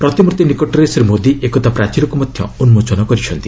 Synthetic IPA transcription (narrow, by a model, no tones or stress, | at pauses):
pɾɔt̪imuɾt̪inikoʈɾesɔɾemod̪iʔekɔt̪ʰapɾat͡ʃiɾɔkumɔd̪ʱjɔ̰unmot͡ʃɔnɔkɔɾit͡ʃʰɔnt̪i̥